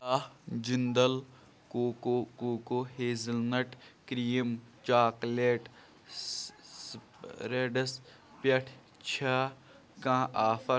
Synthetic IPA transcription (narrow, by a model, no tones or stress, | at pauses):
aːd͡ʒind̪ɐl | koːokoːkoːheːzɪlnɐʈkɾiːmt͡ʃaːkleːʈ | ɾeːɖɐs | pɐʈʰ | t͡ʃʰɐ | kãːʔaːfɐ